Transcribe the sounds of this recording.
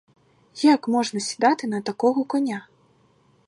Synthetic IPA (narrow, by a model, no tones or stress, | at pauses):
jakmɔʐnɐsʲi̥d̪at̪ɨnɐt̪akɔɣɐkɔnʲa